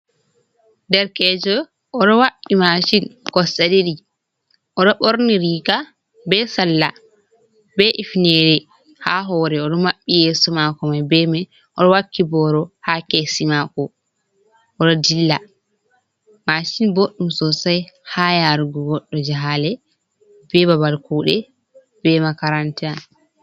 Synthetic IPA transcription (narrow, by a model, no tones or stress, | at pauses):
dɛɾkɛːd͡ʒɔ | ɔɗɔwaɓimaʃinkɔsaɗiɗi | ʔɔɗɔɓɔɾniɾika | bɛsalːa | bɛʔifnɛɾɛ | haɦɔːɾɛɔɗɔmaɓːijɛːsɔmakɔmajbɛma | ʔɔɗɔwakːibɔɾɔhakesimakɔ | ʔɔɗɔdilːa̰ | maʃinboɗːumsɔsajhajaɾuɡɔɡɔɗːɔd͡ʒaɦalɛ | bɛbabalkuːɗɛ | b̥ɛmakaɾantɛa